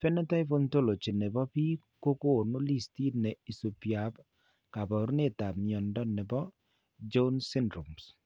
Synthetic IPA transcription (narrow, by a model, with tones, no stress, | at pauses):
fɛ˦nɛ˦ta˦jfo˦nto˦lo˨t͡ʃi˨nɛ˨bɔ˦pi˦ | ko˦ko˦˨no˦li˦sti˦nɛ˨i˨so˨pja˨b | ka˨bɔ˨ɾu˦ne˦ta˨mjɔ˨ndɔ˦nɛ˨bɔ˦ | d͡ʒo˦nsɪ˦ndɾo˨ms